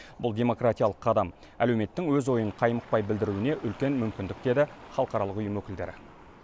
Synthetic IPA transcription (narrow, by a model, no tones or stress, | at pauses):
bʊlˠd̪ʲe̞mo̞krat̪ijɑlˠəqʰːɑd̪ɑm | æ̰lewme̞t̪ːɪŋwɵzwo̞jəɴqʰɑjməq̚pɑjbɪld̪ɪɾuwɪne̞ʔʏlkʲe̞nmʏmkʲɪnd̪ɪk̚d̪̥e̞d̪ɪχɑlˠəqɑɾɑlˠəqʊjəmwɵkʲɪld̪e̞̰ɾɪ̰